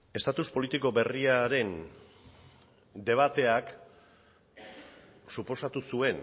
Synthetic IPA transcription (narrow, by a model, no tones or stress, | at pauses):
e̞st̪at̪uspo̞lit̪iko̞be̞riaɾe̞n | d̪e̞β̞at̪e̞ak | supo̞sat̪usue̞n